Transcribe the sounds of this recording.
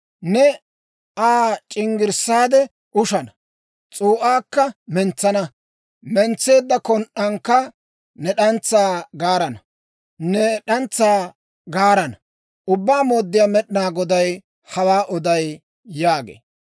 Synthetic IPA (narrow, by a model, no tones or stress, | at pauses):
nɛ | aːt͡ʃʼɪŋɡɪɾsaːd̪ɛ | ʔʊʃɐnɐ | t͡sʼuːʔaːkːɐmɛnt͡sːɐnɐ | mɛnt͡sːe̞ːd̪ːɐkɔnʔɐŋkːɐ | nɛɗɐnt͡sːaːɡaːɾɐnɐ | nɛɗɐnt͡sːaː | ɡaːɾɐnɐ | ʔʊbːaːmo̞ːd̪ːɪjaːmɛɗnaːɡɔd̪ɐj | hɐwaːʔɔd̪ɐjː | aːɡḛː